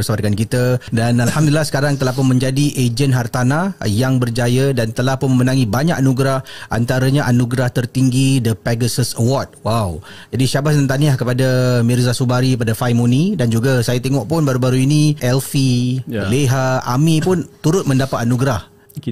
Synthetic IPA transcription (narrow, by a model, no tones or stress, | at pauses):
əsabat̪̚kankit̪ədanalhamdulilahsə̥kaɾaŋt̪əlahp̬ʊnmə̃ɲd͡ʒadiʔed͡ʒənɦart̪anajaŋbərd͡ʒajadant̪əlahpʊnməmənãŋĩbaɲakanuɡɾahʔa̰nt̪aɾaɲaʔanuɡɾaht̪ərt̪iŋɡidəpɛɡəsəsəwɔrd̚waw | d͡ʒadiʃabat̪ənt̪aniahkəpadamirzasubaɾikəp̬adafajmunidand͡ʒuɡasajat̪eŋɔʔpʊnbaɾubaɾuiniɛlfileɦaa̰mipʊnt̪uɾʊt̪̚mə̃ndapat̪̚anuɡɾah